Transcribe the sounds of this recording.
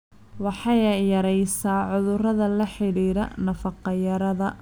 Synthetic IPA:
wɑħɑjjɐɾɛjsaːʕʊðʊrɐðɐlɐħɪɽiːɾɐ̰nɐfɑqɑjɐɾɐðɐ

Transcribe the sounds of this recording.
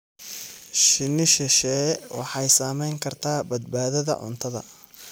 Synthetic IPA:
ʃɪnɪʃɛʃɛːwɑ̰ħɑjsaːmɛjŋkʰɐrt̪ʰaːbɐd̪̚baːðɐðɐ̰ʕʊ̰nt̪ʰɐðɐ̰

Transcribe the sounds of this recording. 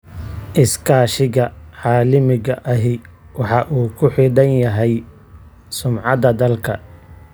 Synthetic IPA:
ʔɪskʰaːʃɪɣɐʕɑːlɪmɪɣɐʔɐɦɪ | wɑħɑʔuːkʰʊħidɐnjɐɦɛj | sʊmʕɑd̪ɐd̪ɐlkʰɐ

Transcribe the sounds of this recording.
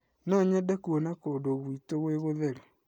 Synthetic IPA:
nɔɲɛdakuonakoːdoɣwitoɣweɣoðeɾe

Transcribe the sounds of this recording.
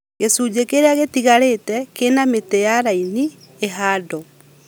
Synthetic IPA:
ɣesud͡ʑekeɾeaɣetiɣaɾetɛkenametejaɾaini | eɦaːdɔ

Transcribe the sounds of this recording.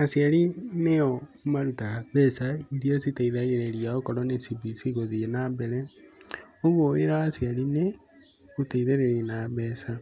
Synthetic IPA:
asiaɾineɔmaɾutaaβɛsaiɾiositeiðaɣeɾeɾiaokɔɾɔnesibisiɣoðienabeɾe | oβoeɾaːsiaɾine | uteiðeɾeɾinaβesa

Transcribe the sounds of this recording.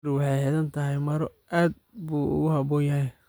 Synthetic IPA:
ɾwɑħɑjhɛðɐnt̪ʰɐɦɛjmɐɾɔʔaːd̪̚ | buːʊ̰ɣʊhɑβɔːjɐɦɛj

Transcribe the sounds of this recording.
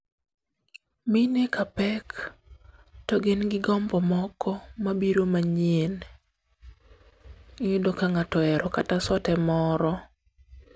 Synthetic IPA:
minekapɛk | tɔɡenɡɪɡɔmbɔmɔkʰɔmabiɾomaɲien | ɲudokaŋatɔɛɾɔkatasɔtɛmɔɾɔ

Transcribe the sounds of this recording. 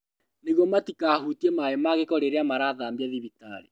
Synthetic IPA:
neɣɔmatikaɦutiɛmaemaɣekɔɾeɾeamaɾaðaːmbiaðiβita̰ɾḭ

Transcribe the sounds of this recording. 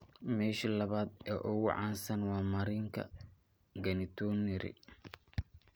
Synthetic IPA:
mɛːʃilɐβaːd̪ɛːʔʊɣʊʕɑːnsɐnwɑːmɐɾiŋkʰɐ̰ | ɡɐnɪt̪ʰɔnɪɾɪ̰

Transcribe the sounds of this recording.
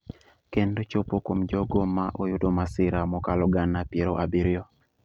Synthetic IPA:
kendot͡ʃopokomd͡ʒɔɡomaʔojʊdomasɪɾamɔkalɔɡanːapjeɾoʔabiɾjɔ

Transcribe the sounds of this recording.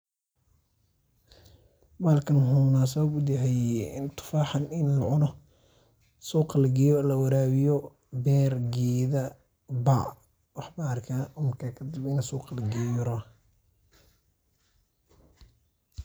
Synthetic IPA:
baːlkʰɐnɦʊnaːs̬ɐβɐbʊd̪jɐɦɛjɪnt̪ʰʊ̥faːħɑnɪnlɑʕʊnɔ | suːqɑlɐɡɛːjɔlɐwɐɾaːwɪjɔ | bɛːrɡɛːðɐ | ba̰ | wɑħbaɐrkʰaːʊmɐrkʰaːkʰɐd̪ɪbɪnɐsuːqɑlɐɡɛjɾɔ

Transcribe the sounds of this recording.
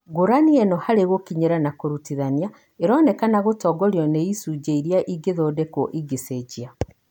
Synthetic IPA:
ɡoɾaniɛnɔhaɾeɣokiɲeɾanakoɾutiðania | eɾɔːnɛkanaɣotɔɡɔɾjɔneisuɟeiɾjaʔiɡeðoːdɛkɔʔiɡeseɟia

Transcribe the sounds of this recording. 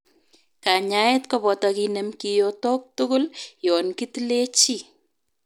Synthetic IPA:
kaɲaetkɔpɔtɔkinemkijotɔk̚tʊkʊljɔnkitlet͡ʃi

